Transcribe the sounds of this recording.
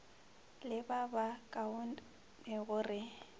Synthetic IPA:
lɪbabakʼaʊn | ɪɣʊrɪ

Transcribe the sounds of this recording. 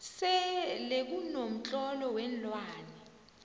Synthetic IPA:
sɛlek̬unom̩t͡ɬʼɔlɔwɛnlwaːnɛ

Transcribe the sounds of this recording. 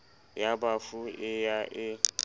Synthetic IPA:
jabafuɪjaʔɪ

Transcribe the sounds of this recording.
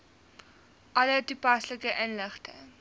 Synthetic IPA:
ʔɐlətupɐsləkəʔənləχtə̰

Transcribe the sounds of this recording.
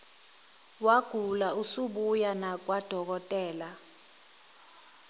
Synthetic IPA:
waɡ̥ʱulausuɓujanak̬ʼwad̥ʱɔk̬ɔtʼɛːla

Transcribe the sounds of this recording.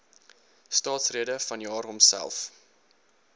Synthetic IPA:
stɑːtsriədəfɐnjɑːrɦɔmsæ̰lˠf

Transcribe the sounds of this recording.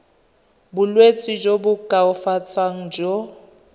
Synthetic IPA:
bʊlwet͡sʼid͡ʒobʊkʼaʊfat͡sʼaŋ̩d͡ʒɔ

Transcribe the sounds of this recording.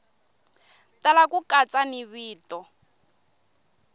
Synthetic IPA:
talakukat͡sʼaniβiːtɔ

